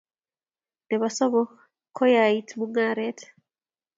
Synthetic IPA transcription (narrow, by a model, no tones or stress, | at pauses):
nɛβasɔmɔ | kʰɔjaitmuŋaɾɛtʰɛ̥